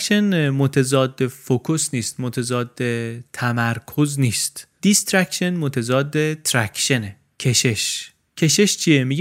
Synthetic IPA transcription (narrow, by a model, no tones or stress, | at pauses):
ʃenmot̪ʰezɒːd̪ːe̞fokʰosniːst̪̚mot̪ʰezɒːd̪ːet̪ʰæmæɾkʰozniːst̪d̪̥ist̪ɾækʃenmot̪ʰezɒːd̪ːe̞t̪ʰɾæcʰʃe̞ne | cʰe̞ʃe̞ʃ | cʰe̞ʃeʃt͡ʃʰijemiɡʲ